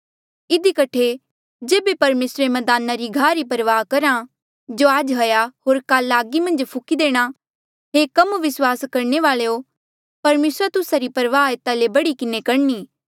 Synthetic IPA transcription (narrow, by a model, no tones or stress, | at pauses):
ɪd̪ikɐʈʰe | d͡ʒeːbepɐɾmeːsɾemɐd̪aːnaɾiɡʱaːɾipɐɾʋaːɦkɐɾã | d͡ʒoːaːd͡ʒɦɐjaɦoːɾkaːlaːɡimɐ̃nd͡ʒpʰʊkid̪eːɽ̃a | ɦekɐmʋɪswaːskɐɾneʋaːɭeo | pɐɾmeːsɾat̪ʊsaɾipɐɾʋaːet̪alebɐɽikɪnekɐɽniː